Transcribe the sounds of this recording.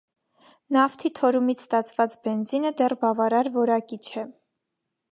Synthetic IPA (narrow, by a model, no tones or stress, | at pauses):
nɑft̪ʰit̪ʰɔɾumit͡sʰst̪ɑt͡sʰvɑt͡sbɛnzinəd̪ɛrbɑvɑɾɑɾvɔɾɑkit͡ʃʰɛ